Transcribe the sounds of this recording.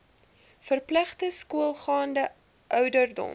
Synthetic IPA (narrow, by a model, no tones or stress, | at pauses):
fərplæχtəskuəlˠχɑːndə | ʔœwdərdɔ̰m